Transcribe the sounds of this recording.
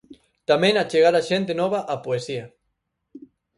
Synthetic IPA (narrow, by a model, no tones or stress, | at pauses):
t̪amẽŋat͡ʃeɣaɾaʃent̪enɔβaʔapoesia